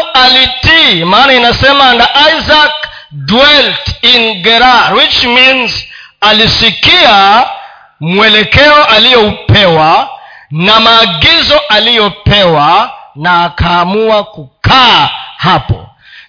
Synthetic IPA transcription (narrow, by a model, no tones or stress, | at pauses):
alitimaːnainasɛmandaʔazak | dwɛltinɡɛɾaɾwit͡ʃmĩnz | alisikia | mwɛlɛkɛɔʔalijɛupɛwa | namaːɡizɔʔalijɔpɛwanaːkaːmuwakukahapɔ̰